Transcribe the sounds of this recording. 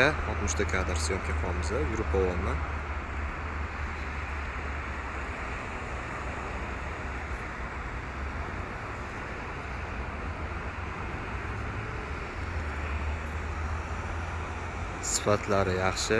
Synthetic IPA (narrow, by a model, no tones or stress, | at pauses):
aɒt̪mʊʃt̪ʰakʲʰad̪ɪɾsɪjɒmkʲaqʰmɪzajʊɾʊpʰawɒnɪ | sɪ̥fat̪ʰlaɾɪjɑχʃɪ